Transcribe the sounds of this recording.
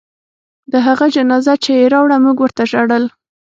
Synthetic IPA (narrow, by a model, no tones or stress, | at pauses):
d̪əɦaɣad͡ʒanɑzat͡ʃejeɾɑwɽamuɡwəɾt̪aʒaɽəl